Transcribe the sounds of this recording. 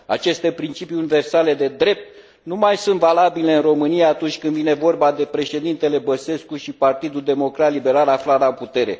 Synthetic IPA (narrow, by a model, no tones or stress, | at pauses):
a̰t͡ʃe̞st̪e̞pɾint͡ʃipiunive̞rsale̞d̪e̞d̪ɾe̞p̚t̪̚ | numajsunt̪valabile̞ɨnro̞mɨnijaːt̪unt͡ʃʲkɨnd̪vine̞vo̞rbad̪e̞pɾe̞ʃe̞d̪int̪e̞le̞bəse̞skuʃipart̪id̪uld̪e̞mo̞kɾat̪libe̞ɾalaflaɾaput̪e̞ɾe̞̰